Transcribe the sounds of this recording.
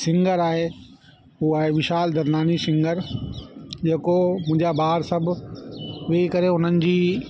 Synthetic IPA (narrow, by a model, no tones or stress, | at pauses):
sɪ̃ŋɡəɾaːɦe | ɦuaːɦeʋɪʃaːld̪ɐɾnaːnisɪ̃ŋɡəɾ | d͡ʑeːkomʊ̃ɦɪ̃ɲd͡ʑabaːɦəɾsɐbʱ | ʋeːikɐɾeɦʊn̤ənɪ̆d͡ʑiː